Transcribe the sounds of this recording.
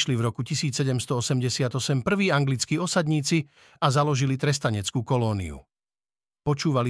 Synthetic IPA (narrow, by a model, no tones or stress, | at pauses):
ʃlivɾɔkucisiːt͡ssɛɟɛmst̪ɔɔsɛmɟɛsɪad̪ɔsɛmpr̩ʋiːaŋɡlit͡skiɔsad̪ɲiːt͡si | azalɔʒilit̪ɾɛst̪aɲɛt͡skuːkɔlɔːnḭṵ | pɔt͡ʃuːʋali